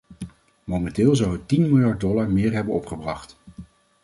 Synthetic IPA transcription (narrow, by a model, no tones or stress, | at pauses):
mowmɛntɪːlˠzʌwɦət̚tinmɪlˠjɑɹt̚dɔlaɹmɪːɹɦɛbənɔpχəbrɑχt